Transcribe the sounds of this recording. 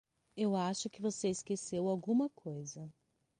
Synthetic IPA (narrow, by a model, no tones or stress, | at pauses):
ewaʃʊkɪvoseɪskesewawɡũmɐkʰojzɐ